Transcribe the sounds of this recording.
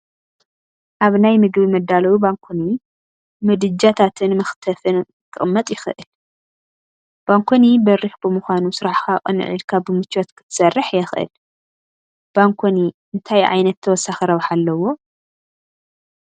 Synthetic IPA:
ʔaβnajmɨɡbimɐd̪ːalɐwubaŋkʰoni | mɨd̪ɨd͡ʒat̪ʰat̪ʰɨnmɐxt̪ʰɐfɨn | kʰɨʔʼɨmːɐt̪ʼjɪxʔɨl | b̥aŋkʰonibɐɾixbɨmɨxʷanusɨɾaħkakʼɨ̰nɨ̰ʕɨ̰lkʰabɨmɨt͡ʃːot̪kʰɨ̥t̪ʰɨ̥sɐrːɨħjɛxʔɨ̰l | b̥aŋkʰoni | ɨnt̪ʰajʕa̰jnɐt̪ʰːɐwɔsːaxɐɾɐwħalːɐwo̞

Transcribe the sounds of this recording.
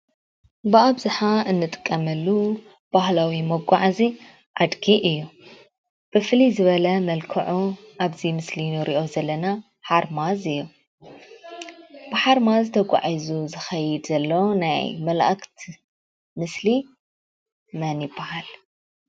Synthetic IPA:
bɨaβzɨħaɨnːɨt̪ʼɨ̥kʼːɐmɐlːu | b̥ahlawimɐɡʷaʕzi | ʔad̪ɡiʔɨjːu | b̥ɨfɨlizɨβɐlɐmɐlkʰɐʕuʔaβzimɨslinoɾiʔo̞zɐlːɐna | ħaɾmazɨjːu | b̥ɨħaɾmazt̪ʰɐɡʷʼa̰ʕizuzɨxɐjɪd̪zɐlːɐwnajmɐlaʔakt̪ʰ | mɨsli | mɐnibːahal

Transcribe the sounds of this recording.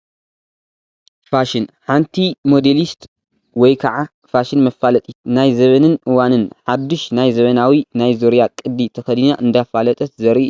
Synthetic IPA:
faʃɪnħant̪ʰimod̪elist̪ | wɔjkʰɐʕa | faʃɪnmɐfːalɐt̪ʼit̪najzɐβɐnɨnʔɨwanɨnħad̪ːɨʃnajzɐβɐnawinajzoɾjakʼɨd̪ːit̪ʰɐxɐd̪ɨnaʔɨnd̪afalɐt̪ʼɐt̪zɐɾi

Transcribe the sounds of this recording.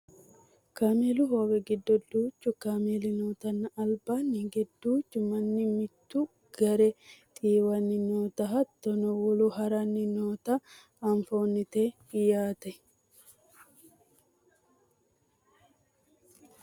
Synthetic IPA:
kaːmelʊɦoːɡɛɡɪd̪ːɔd̪uːt͡ʃːʊkaːmelɪnoːt̪ɐnːɐɐlbanːɪɡɛd̪ːuːt͡ʃːʊmɐnːɪmɪt̪ːʊ | ɡ̥ɐɾɛt̪ʼiːwɐnːɪnoːt̪ɐɦɐt̪ːɔnɔwɔluɦɐɾɐnːɪnoːt̪ɐ | ɐɱfoːnːɪt̪eː | ɪjaːt̪ɐ

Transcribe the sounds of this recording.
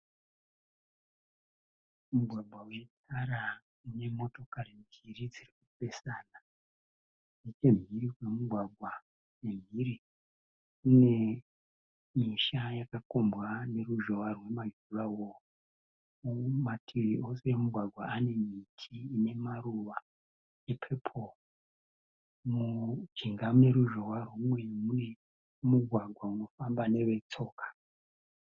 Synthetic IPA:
muɡʱwaɡwaut͡ʃitaɾa | une̞mo̞to̞karinirid͡zirik̚upe̞saːna | nit͡ʃe̞m̤iriwe̞muɡʱwaɡʱwa | ne̞m̤iri | une̞ | miʃajakako̞mbwane̞ruʒo̞warwe̞maʒurawo | umatʰiriʔo̞semuɡʱwaɡʱwaane̞mitʰiːne̞maruʋa | epʰe̞pʰo | mud͡ʒiŋɡamune̞ɾuʒo̞warwumwe̞mune̞ | muɡʱwaɡʱwauno̞fambane̞ʋe̞t͡so̞ːkḁ

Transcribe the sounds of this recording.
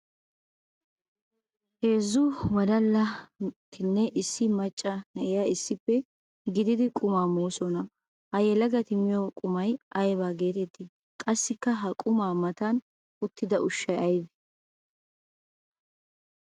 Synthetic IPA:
he̞ːzːʊwɐd̪ɐlːɐt̪ɪnːɛʔɪsːɪmɐt͡ʃʼːɐnɛʔɛjaɪsːɪpːɛ | ɡɪd̪ɪd̪ɪkʼʊmaːmoːsɔnɐ | hɐjɛlɐɡɐt̪ɪmɪjokʼʊmɐjʔɐjbaːɡe̞ːt̪ɛt̪ːɪ | kʼɐsːɪkːɐɦɐkʼʊmaːmɐt̪an | ʊt̪ːɪd̪ɐʔʊʃːɐjɐjbɛ̥

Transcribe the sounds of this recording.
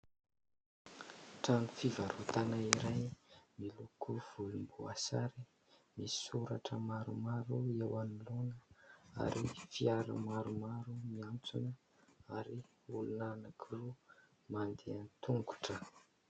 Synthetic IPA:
ʈ͡ʂanifivaɾut̪anaiɾajmilukʰuv̥ulumbua̰saɾi | mi̥suɾaʈ͡ʂəmaɾumaɾuewanilonəa̰ɾifiaɾə̰maɾumaɾumiant͡sunə | aɾi | ulunanakʰiru | mand̪eant̪uŋɡu̥ʈ͡ʂə

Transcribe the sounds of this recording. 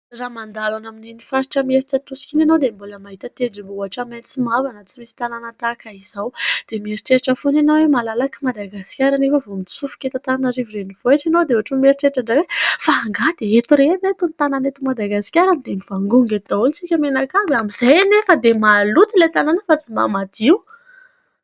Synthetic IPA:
ramand̪alanaminenifaɾiʈ͡ʂəmeɾiʈ͡ʂət̪usi̥kʲinenowd̪emboləmaɦit̪ət̪ed͡zimbaʈ͡ʂament͡simavanət͡simisi̥t̪ananət̪akaiz̥awd̪̥emeɾiʈ͡ʂeɾiʈ͡ʂəfonanoawemalalakimad̪aɡaskʲaɾanefəvomit͡sufu̥kʲet̪at̪ananaɾivireniv̥oet͡ʃanowd̪euaʈ͡ʂumeɾiʈ͡ʂeʈ͡ʂaɳɖ͡ʐawefaːŋɡad̪̥eet̪uɾenet̪unt̪ananet̪umad̪aɡasi̥kʲaɾanid̪emiv̥aŋɡuŋɡet̪d̪ault͡sikʲəmenakabamiz̥ejnefəd̪emalut̪ilet̪ananəfat͡simba̰mad̪̥iu

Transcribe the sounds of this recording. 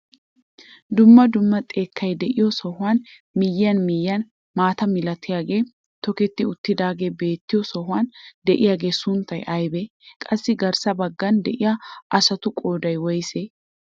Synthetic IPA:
d̪ʊmːɐd̪ʊmːɐt̪ʼe̞ːkːɐjd̪ɛʔɪjɔsɔhʊwaːn | mɪjːɐnmɪjːɐn | maːt̪ɐmɪlɐt̪ʰːɪjaːɡe̞ː | t̪ɔkɛt̪ːɪʊt̪ːɪd̪aːɡe̞ːbe̞ːt̪ːɪjɔsɔɦʊwand̪ɛʔɪjaːɡe̞ːsʊnt̪ːɐjʔɐjbe | kʼɐsːɪɡɐɾsɐbɐɡːɐnd̪ɛʔɪjaʔɐsɐt̪ʊkʼo̞ːd̪ɐjwɔjse

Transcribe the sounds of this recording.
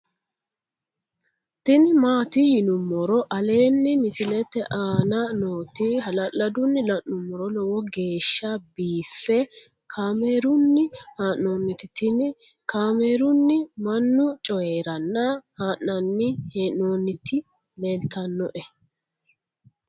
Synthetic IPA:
t̪ɪnɪmaːt̪ɪjɪnʊmːɔɾɔʔɐle̞ːnːɪmɪsɪlɛt̪ːɛʔaːnɐnoːt̪ɪɦɐlɐlːɐd̪ʊnːɪlɐʔnʊmːɔɾɔlɔwɔɡe̞ːʃːɐbiːfːɛ | kʰaːmeːɾʊnːɪhaːʔno̞ːnːɪt̪ɪt̪ɪnɪ | kaːmeːɾʊnːɪmɐnːʊt͡ʃʼɔjeːɾɐnːɐhaːʔɐnːɪheːnno̞ːnːɪt̪ɪ | leːlt̪ɐnːɔʔɛ

